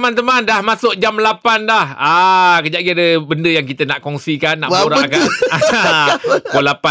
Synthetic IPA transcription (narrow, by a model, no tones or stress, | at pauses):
mãnt̪əmãndahmasʊk̚d͡ʒamlapandahakəd͡ʒaɡiadəbəndəjaŋk̬it̪ənaʔkɔŋsikanːaʔboɾaəkana | olapa